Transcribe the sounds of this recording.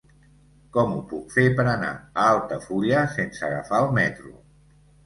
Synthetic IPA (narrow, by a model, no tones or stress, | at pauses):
kɔmupukfepəɾəna̰əalˠt̪əfuɾiəsensəɣə̰faəlˠmɛt̪ɾṵ